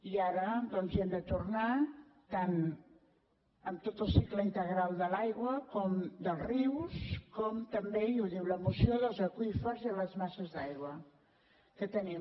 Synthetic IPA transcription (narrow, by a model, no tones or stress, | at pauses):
iaɾəd̪ɔnzɛmd̪ət̪urnat̪an | əmt̪ot̪əlˠsikləint̪əɣɾalˠd̪əlajɣwəkɔmd̪əlˠzriwskɔmt̪əmbeuwðiwləmusioðəlˠzəkwifəzələzmasəzðajɣwə | kət̪əni